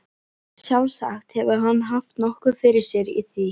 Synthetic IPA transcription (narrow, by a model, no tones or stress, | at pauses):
sjawsa̰xt̪hɛvʏɦanːɦaft̪nɔhkʏfɪɾɪɾ̥sjɛɾḭθi